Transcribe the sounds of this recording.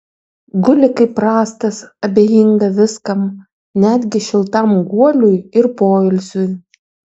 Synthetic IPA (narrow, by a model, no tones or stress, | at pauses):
ɡʊlʲɪkɐɪpɾɑːst̪ɐsɐbʲeːjiŋɡɐʋʲɪskɐm | nʲæːd̪ʲɡʲɪʃʲɪlˠt̪ɐmɡuɔlʲʊjɪɾpoːɪlʲsʲʊj